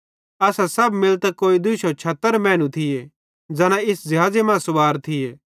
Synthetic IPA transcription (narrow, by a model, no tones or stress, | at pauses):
ɐsasɐbmɪlt̪ɛkoːid̪ʊʃot͡ʃʰɐt̪ːəɾmɛ̃ːnũt̪ʰɪje | d͡zɐñãɪsd͡ʒɐɦaːd͡zemãːsʊbaːɾt̪ʰɪjeː